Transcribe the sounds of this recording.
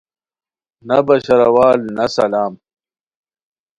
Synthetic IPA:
nɐbɐɕɐɾɐwaːlnɐsɐlaːm

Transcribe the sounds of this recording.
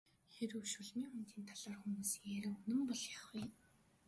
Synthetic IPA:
xeɾɵʃuɮmiːŋxunt̪iːnt̪ʰaɮaːrxumuːsjæɾɘ̆unɘ̆mpɔɮjaχɡij

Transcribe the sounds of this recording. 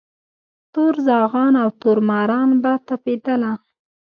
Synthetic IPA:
t̪oɾzɑɣɑnawt̪oɾmɑɾɑnbat̪aped̪əla

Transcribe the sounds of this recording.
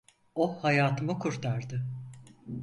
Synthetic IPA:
ohajaːt̪ʰɯmɯkʰuɾt̪ʰaɾd̪ɯ

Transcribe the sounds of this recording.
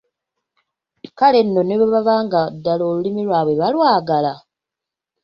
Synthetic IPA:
kale̞nːo̞neβaβaβaːŋɡadːalo̞ːlulimilwaːβweβalwaːɡala

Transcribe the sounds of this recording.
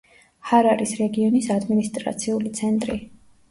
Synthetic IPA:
haɾaɾisɾɛɡiɔnisad̪minist̪ʼɾa̰t̪sʰiulit̪sʰɛnt̪ʼɾi

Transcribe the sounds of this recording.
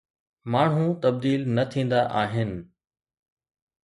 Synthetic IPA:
maːɳ̤ɦũt̪ɐb̚d̪iːlnɐt̪ʰĩːn̆d̪aʔaːɦɪnɪ̆

